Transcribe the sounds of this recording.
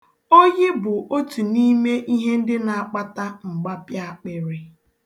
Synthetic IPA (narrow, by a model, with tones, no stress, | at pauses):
o˦jɪ˦bʊ˨ʔo˦tu˨ni˦me˦ʔi˦ɦe˦n̩˦dɪ˦na˨a˦˨k͡pa˦ta˦ŋ͡m̩˨ɡ͡ba˦pja˦a˦k͡pɪ˦ɾɪ˨